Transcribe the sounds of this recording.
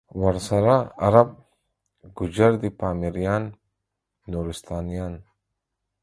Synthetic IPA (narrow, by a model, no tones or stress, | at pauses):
wɐɾsɐɾaɐ̰ɾɐb̚ | ɡud͡ʒɐɾd̪ipaːmiɾijaːnː | uːɾist̪aːnijaːn